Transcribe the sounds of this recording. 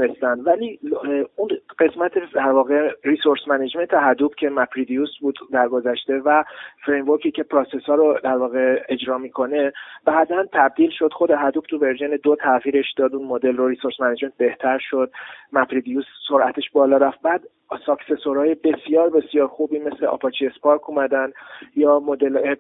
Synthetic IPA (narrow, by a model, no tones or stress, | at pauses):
nest̪ænd̪væliunɢe̞smæt̪ʰed̪æɾvɒːɣe̞risoɾsmæned͡ʒme̞nt̪ʰeɦæd̪ubcʰe̞mæpʰɾid̪ijusbuːd̪d̪æɾɡo̞zæʃt̪e̞væfɾejnvoɾcʰicʰe̞pʰɾoːsesɒːɾod̪æɾvɒːɣe̞e̞d͡ʒɾɒːmikʰo̞ne̞b̥æːʔd̪ænt̪ʰæb̚d̪iːlʃo̞d̪̥xo̞d̪eɦæd̪uːb̥̚t̪ʰuve̞ɾʒened̪ot̪ʰæɣiːɾe̞ʃd̪ɒːd̪unmod̪e̞lroɾisoɾsmæned͡ʒment̪̚be̞ht̪ʰæɾʃo̞d̪̥̚mæpɾid̪ijuːsːoɾʔæt̪ʰeʃbɒːlɒːɾæft̪̚bæːd̪ | sɒkse̞soɾɒːje̞be̞sijɒːɾbe̞sijɒːɾxubiːme̞sleʔɒ̰pʰɒt͡ʃʰiespʰɒɾkʰumæd̪ænd̪jɒːmod̪ele